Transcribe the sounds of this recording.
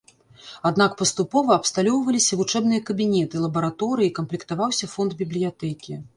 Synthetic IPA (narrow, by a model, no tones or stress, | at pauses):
ad̪nakpɐst̪upɔvɐɐpst̪alʲɔwvɐlʲisʲɐvut͡ʂɛbnɨjɐkɐbʲinʲɛt̪ɨlˠɐbɐɾat̪ɔɾɨjikɐmplʲikt̪avawsʲɐfɔnd̪bʲiblʲijat̪ɛkʲi